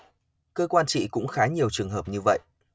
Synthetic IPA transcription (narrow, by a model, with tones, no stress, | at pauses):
kəː˧kwaː˧nt͡ɕḭ˧˨kʊ̰˧˥ŋ͡mxaː˨˦ɲi˨˩əwt͡ɕɨ˨˩əŋɦəː˨˩p̚ɲɨ˧və̰˧˨jʔ